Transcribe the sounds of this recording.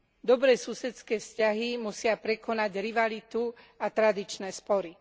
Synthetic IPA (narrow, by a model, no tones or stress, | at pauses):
d̪ɔbɾɛːsusɛt͡skɛːfscaɦimusɪapɾɛkɔnaɟɾiʋalit̪u | at̪ɾad̪it͡ʃnɛːspɔɾi